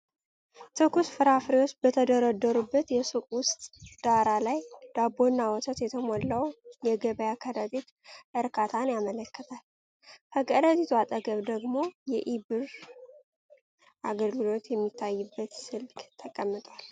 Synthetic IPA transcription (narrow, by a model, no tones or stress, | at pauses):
t̪ʰɨkusfɨɾafɾiwot͡ʃːbət̪ʰəd̪əɾəd̪ːəɾubːət̪jɛsukʼwʊst̪ʼd̪̥aɾalajd̪̥abo̞nːawɔt̪ʰət̪jɛt̪ʰəmolːəwjɛɡəβəjakʰəɾət̪ʼit̪ | ʔɨɾkʰat̪ʰanjamələkːət̪ʰal | kʰəkʰʼəɾət̪ʼit̪ʰwat̪ʼəɡəβd̪əɡmo̞jɛʔibɨɾ | ʔaɡəlɡɨlo̞t̪jɛmːit̪ʰːajːɨbːət̪sɨlkɡt̪ʰəkʼəmːɨt̪ʼwal